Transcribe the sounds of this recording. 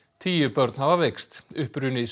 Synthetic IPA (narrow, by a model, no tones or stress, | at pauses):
t̪ʰiːjʏpœɾt̪nhavavekst̪ʏhpɾʏːnɪis